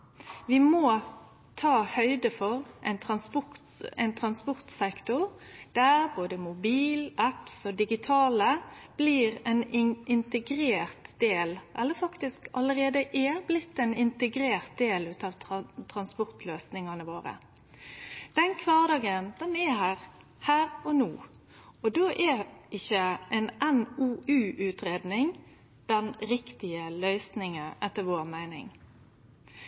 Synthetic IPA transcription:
ʋɪmoː | t̪ʰɑːhœʏd̪əfɔʁʔɛ̰ɪnt̪ʰɾɑnspʊ | ɛɪnt̪ʰɾɑnspɔʁt̪sɛkt̪ʊʁd̪̥æʁboːd̪əmʊbiːlʔæpsɔd̪ɪɡɪt̪ʰɑːləb̥liːʁɛnɪʔɪnt̪əɡɾeːʁt̪d̪̥eːlʔɛlːəɾfɑkt̪ɪskɑləɾeːd̪əʔæblɪt̪ːɛnɪnt̪əɡɾeːʁt̪̚d̪eːlʉːt̪ɑʋt̪ʰɾɑnspɔʁt̪løːsnɪŋɑnəʋoːɾə̰ | d̪̥ɛnkʰʋɑːʁd̪ɑːɡənd̪̥ɛnɛhæːʁ | hæːʁɔnuː | ɔd̪oːʔɛʔɪçːəʔɛnɛnuːʉːʔʉːt̪ɾeːd̪nɪŋ | d̪̥ɛnɾɪkt̪ɪəlœʏsnɪŋəʔɛt̪ːəɾʋoːʁmæɪnɪ̰ŋ

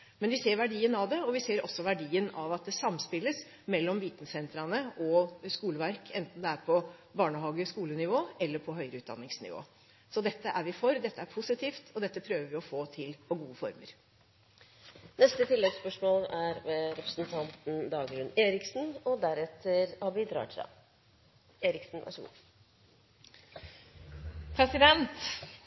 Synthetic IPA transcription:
mɛnʋɪseːɾʋæɖiːənɑʋd̪ɛɔʋɪseːɾɔ̰sːɔʋæɖiːənɑʋɑt̪̚d̪ɛsɑmːspɪlːəs | mɛlːɔmʋiːt̪n̩sɛnt̪ɾɑnəʔɔskuːləʋæɾkʰɛnt̪n̩d̪ɛæɾpʰɔbɑːɳəɦɑːɡəskuːlənɪʋoːɛlːəɾpʰɔɦœʏɾəʉːd̪ɑ̰nːɪŋsnɪ̰ʋo̰ː | sɔd̪ɛt̪ːəʔæɾʋɪfɔɾd̪ɛt̪ːəæɾpʰʊsɪt̪ʰiːft̪ʰɔd̪ɛt̪ːəpʰɾøːʋəɾʋɪɔfoːt̪ʰɪlpʰɔɡuːəfɔɾmə̰ɾ | nɛst̪ət̪ʰɪlːɛɡspœʂmoːlæɾʋɛɾɛpɾəsn̩t̪ʰɑnt̪n̩d̪ɑːɡɾʉnːeːɾɪksn̩ɔd̪æɾɛt̪ʰəɾhɑbiːd̪ɾɑ̰ːʈ̪ʰɾɑ̰ | eːɾɪksn̩ʋɑ̰ʂəɡṵː | pʰɾɛsɪd̪ɛnt̪

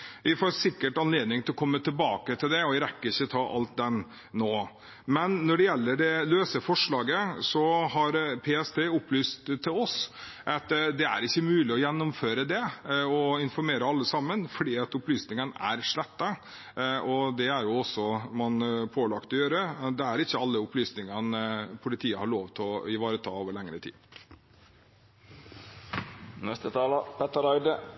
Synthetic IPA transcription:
ʋɪfoːɾsɪkːəʈɑnleːd̪nɪŋt̪ʰɪlɔkʰɔmːət̪ʰɪlbɑːkət̪ʰɪld̪ɛɔʋɪɾɛkːəɾɪçːət̪ʰɑːʔɑ̰lt̪̚d̪ɛm | noː | mɛnːɔɖɛjɛlːəɖɛløːsəfɔʂɭɑːɡəsɔhɑɾpʰeːɛst̪ʰeːʊplyːst̪t̪ʰːɪlɔsʔɑt̪d̪ɛæ̰ɾɪçːəmʉːlɪɔjɛnːʊmføːɾəd̪ɛɔɪnfɔɾmeːɾəɑlːəsɑmːənfɔɖ̪iːɑt̪ʊplyːsnɪŋənæ̰ɾʂɭɛt̪ːə | ɔd̪ɛæɾjʊɔsːɔmɑnpʰoːlɑkt̪ɔjøːɾəd̪ɛæɾɪçːəɑlːəʊplyːsnɪŋənpʰʊlɪt̪ʰiːəhɑɭoːʋt̪ʰɔɪʋɑːɾət̪ʰɑːoːʋəɭɛŋɾət̪ʰḭː | nɛst̪ət̪ʰɑːlɑpʰɛt̪əɾɑɪd̪ə

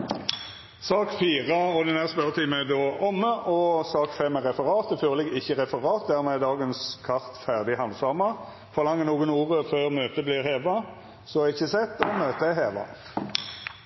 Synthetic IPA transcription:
sɑːkfiːʁəɔd̪ɛnæst̪pœʁət̪ʰɪːməɛd̪oːʔɔmːəʔɔsɑːkfɛmːæʁɛfəʁɑːt̪əføːʁlɪɡɪçːəʁɛfəʁɑːt̪̚d̪æʁmɛd̪ɑːɡənskʰɑʁt̪fæʁd̪ɪhɑnd̪sɑmɑ | fɔʁlɑŋːənuːɡənuːʁəføːʁmøːt̪əblɪːʁheːʋɑ | sɔɪçːəsɛt̪ːɔmøːt̪əæheːʋɑ̰

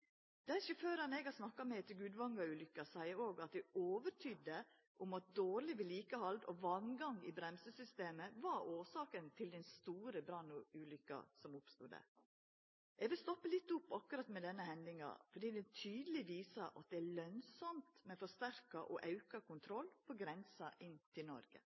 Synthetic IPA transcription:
d̪̥æɾʃɪføːɾɑnɛɡɑsnɑkːɑmɛt̪ʰɪɡʉːd̪ʋɑŋɡɑʉːlʏkːɑsæɪəoːɡɑt̪̚d̪ɛoːʋəʈʰʏd̪ə | ʔʊmɑt̪̚d̪oːɾlɪʋɪliːkəhɑld̪ɔʋɑnɡɑŋɪ̰bɾɛmsəsʏst̪eːməʋɑɾoːsɑːkənt̪ʰɪld̪ɛnst̪uːɾəbɾɑnːʊʉːlʏkːɑ̰sɔmʊpst̪uːd̪æ̰ɾ | ʔɛɡʋɪlst̪ɔpːəlɪt̪ːʊpːɑkʉɾɑt̪mɛd̪ɛnːəhɛnd̪ɪŋɑ̰fɔɖiːd̪ɛnt̪ʰyːd̪əlɪʋiːsɑʔɑ̰t̪̚d̪ɛælœnsɔmt̪mɛfɔʂt̪æɾkɑʔɔʔɑʉkɑkʊnt̪ʰɾɔlːpʰɔɡɾɛnsɑʔɪnːt̪ʰɪlnɔ̰ɾɡə̰

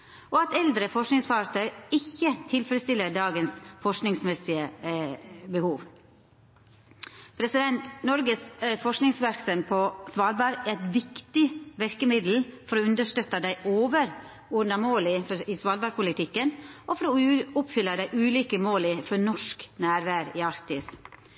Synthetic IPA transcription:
ʔɔɑt̪ɛld̪ɾəfɔʂknɪŋsfɑɾt̪ʰœʏɪçːət̪ʰɪlfɾəst̪ɪlːəɖɑːɡənsfɔʂknɪŋsmɛsɪə | bəhuːʋ | pʰɾɛsɪd̪ɛnt̪nɔɾɡəsfɔʂknɪŋsʋæɾksœmpʰɔsʋɑːlbæɾæɾɛt̪ʋɪkt̪ɪʋɛɾkəmɪd̪l̩fɔɾɔʉnd̪əʂt̪œt̪ːɑd̪æɪʔoːʋəɾ | ʊnɑmoːlɪfɔɪsʋɑːlbɑɾpʰʊlɪt̪ʰɪkːənʔɔfɔɾɔʊpfʏlːɑd̪æɪʔʉːliːkəmoːlɪfɔɾnɔʂknæːɾʋæːɾɪːɑɾkt̪ɪs

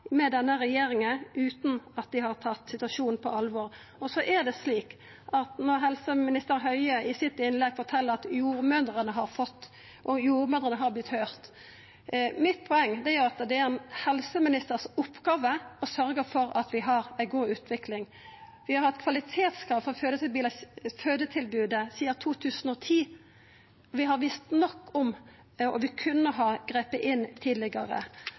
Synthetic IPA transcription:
mɛd̪ɛnːəɾɛjeːɾɪŋənʉːt̪n̩ɑt̪̚d̪ɪhɑɾt̪ʰɑt̪ːsɪt̪ʉɑsʃuːnn̩pʰɔ̰ɑlʋɔːɾ | ɔsɔʔæd̪ɛsliːk | ʔɑt̪nɔʁɦɛlsəmɪnɪst̪əɾɦœʏəʔɪsɪt̪ɪnlɛɡfɔt̪ʰɛlːəɾɑt̪juːɾmœnd̪ʁənəɦɑɾfɔt̪ː | ʔɔjuːɾmœnd̪ʁənəɦɑɾblɪt̪høːʁt̪ | mɪt̪̚ːpʰɔɛŋːd̪ɛjœɾɑt̪d̪ɛæɾɛnhɛlsəmɪnɪst̪əʁsʊpːɡ̥ɑːʋəɔsœɾɡəɾfɔɾɑt̪ʰʋɪɦɑɾæɪɡuːʉːt̪ʰʋɪklɪŋ | ʋɪhɑɾhɑt̪kʰʋɑlɪt̪ʰeːt̪skʰɾɑːʋfɔɾføːd̪ət̪ɪlbyːləføːd̪ət̪ʰɪlbʉːd̪əsiːət̪ʰuːt̪ʰʉːsənɔt̪ʰiː | ɔʋɪɦɑɾʋɪst̪nɔkːɔm | ɔ̰ʋɪkʰʉnːəɦɑːɡ̥ʁeːpəʔɪnt̪ʰiːd̪lɪɡəɾə̰

